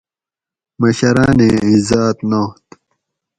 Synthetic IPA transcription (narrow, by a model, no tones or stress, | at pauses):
mɐɕɐɾaːneːizaːt̪noːt̪